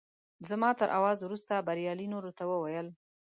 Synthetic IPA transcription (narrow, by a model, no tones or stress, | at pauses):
zamɑt̪əɾʔa̰wɑzwɾust̪abaɾjɑlinoɾot̪awəwajəl